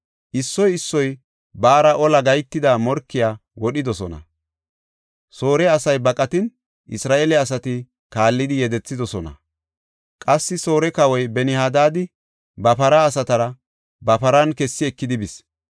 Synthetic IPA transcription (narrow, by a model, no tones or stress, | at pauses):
ʔɪsːɔjɪsːɔj | baːɾɐʔɔlɐɡɐjt̪ːɪd̪amɔɾkːɪjaːwɔɗɪd̪ɔsɔnɐ̰ | so̞ːɾɛɐsɐjbɐkʼɐt̪ɪn | ʔɪsɾaːʔelɛɐs̬ɐt̪ɪ | kaːlːɪd̪ɪjɛd̪ɛt͡sːɪd̪ɔsɔnɐ̰ | kʼɐsːɪso̞ːɾɛkɐwɔjbɛnɪhaːd̪aːd̪ɪ | bɐpɐɾaːsɐt̪ɐɾɐ | bɐpɐɾɐnkɛsːɪɛkːɪd̪ɪbɪs